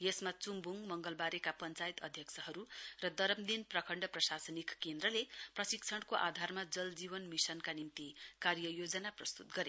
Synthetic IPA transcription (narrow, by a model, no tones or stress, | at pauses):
jesmat͡sumbʱuŋmʌŋɡʌlbaɾekapʌnt͡sajit̪ʌd̪ʱjʌksʰʌɦʌɾurʌd̪ʌɾʌmd̪inprʌkʰʌɳɖʌprʌsasʌnikːend̪ɾʌleprʌsikt͡sʰʌɽkoʔad̪ʱarmad͡zʌld͡zibʌnmisʌnkanimt̪ikarjʌjod͡zʌnaprʌst̪ut̪̚ɡʌɾe